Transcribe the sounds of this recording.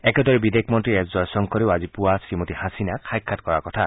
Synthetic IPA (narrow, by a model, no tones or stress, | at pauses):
ɛkɛdɔɹɛbidekʰmɔntɹiɛzzɔɹsɔŋkʰɔliʊazipʊasimotihasinakʰajkʰːatkɔɹakɔtʰa